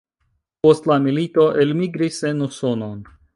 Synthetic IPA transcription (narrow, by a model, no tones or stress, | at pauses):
po̞stlamilito̞ʔe̞lmiɡɾise̞nuso̞no̞n